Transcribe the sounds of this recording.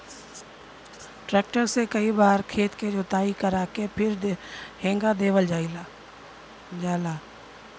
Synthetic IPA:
ʈɾɛːk̚ʈəɾsekɐibaːɾkʰeːt̪ked͡ʒot̪aːikəɾaːkepʰɪɾɦẽːŋɡad̪eːʋəld͡ʒaːila | d͡ʒaːlaː

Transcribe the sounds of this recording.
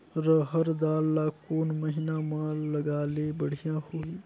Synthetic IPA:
ɾəɦɐɾd̪aːlːaːkoːnməɦɪnamãlːɐɡaːlebəɽ̤ijãhoːiː

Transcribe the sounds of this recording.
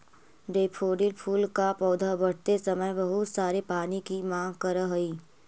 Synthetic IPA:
ɖeːpʰoːɖɪlpʰuːlkapɔːd̪ʱabɐɽ̤t̪esɐməjbɐɦʊt̪saːɾepaːnikimãːŋɡkɐɾəɦɐiː

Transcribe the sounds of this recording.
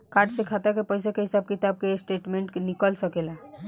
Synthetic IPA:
kaɖsekʰat̪akepəjsakeɦisab̚kit̪ab̚kesʈeʈmẽɳʈkenikəlsəkela

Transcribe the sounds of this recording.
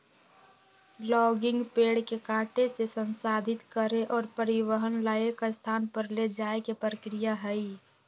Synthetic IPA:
lɔːɡɪ̃ŋɡpeːɽkekaːʈesesənsaːd̪ʱɪt̪kəɾeʔɔːɾpəɾɪwəɦənlaːekast̪ʰaːnpəɾled͡ʒaːekepɾəkɾijaɦɛi

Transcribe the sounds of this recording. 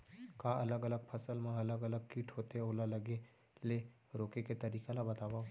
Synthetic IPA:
kaɐləɡələɡ̚pʰɐsəlmãɐləɡɐləɡ̚kiːʈʰɦoːt̪eoːlalɐɡe | le | ɾoːkeket̪ɐɾiːkalabɐt̪aːʋa

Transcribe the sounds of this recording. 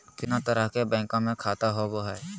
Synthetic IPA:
t̪ɪnãt̪əɾəɦkebɛ̃ːŋkõmẽkʰaːt̪aɦoboɦɛː

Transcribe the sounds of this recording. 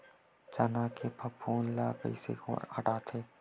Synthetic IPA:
t͡ʃanaːkepʰɐpʰːuːnlaːkə̰isḛko̰ɐʈaːt̪ʰeː

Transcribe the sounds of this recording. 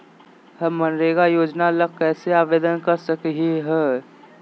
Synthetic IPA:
ɦɐmənɾeːɡajoːd͡ʒnalək̚kːɛːseaːʋeːd̪ənkɐɾsəkɦeɦɛː

